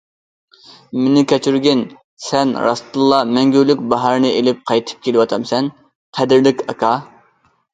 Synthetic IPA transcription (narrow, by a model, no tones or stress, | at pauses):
menɪkʲʰɛt͡ʃʰyɾɡʲɪn | sɛnɾɑ̰st̪ulˠːɑmɛŋɡʲylykʲbɑɦɑɾnɨelɪp̚qʰɑjt̪ʰɨ̥p̚kʲelɨwɑt̪ʰɑmsɛn | qʰæd̪ɪɾlɪkʲʰɑkʰɑ